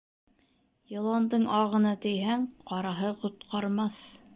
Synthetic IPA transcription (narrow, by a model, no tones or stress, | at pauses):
jŏlˠɑnd̪ɤɴʔɑʁɤ̆nɑt̪ɘ̆jɦæŋqɑɾɑɦɤqŏt̪qʰɑɾmɑθ